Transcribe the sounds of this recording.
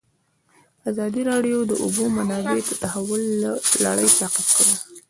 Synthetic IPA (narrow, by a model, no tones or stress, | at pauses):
azɑd̪iɾɑɖjod̪əʔubomanɑbet̪ət̪ahawʊllːa̰ɽəjt̪aqifkaɽi